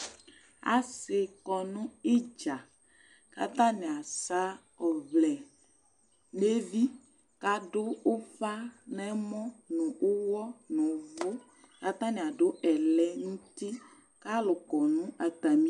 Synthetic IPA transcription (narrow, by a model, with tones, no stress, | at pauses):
a̰˨se˨kɔ˨nũ˦i˦d͡ʒa˨ | ka̰˦t̪ã˦nɛ̃˨a˨sa˦ | ɔ˨vlɛ˨ | ne˦vi˦ | ka˦ɖʊ˦o˦fa˦nɛ̃˦mɔ̃˦nũ˨ʔo˦wɔ˦nũ˨vo˦ | ka˦t̪ã˦nĩ˨a˨ɖo˦ɛ˨lɛ˦ŋũ˦t̪i˦ | ka˦lʊ˨kɔ˨nũ˦a˨t̪a˨mĩ˦